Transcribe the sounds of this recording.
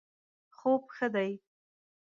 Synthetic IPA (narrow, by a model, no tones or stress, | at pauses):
xob̚xəd̪aj